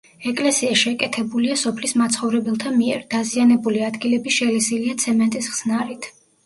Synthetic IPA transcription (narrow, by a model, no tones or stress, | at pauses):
ɛkʼlɛsiaʃɛkʼɛt̪ʰɛbuliasɔpʰlismat̪sʰχɔvɾɛbɛlˠt̪ʰamiɛɾd̪azianɛbuliad̪ɡilɛbiʃɛlɛsiliat̪sʰɛmɛnt̪ʼisʁz̥naɾit̪ʰ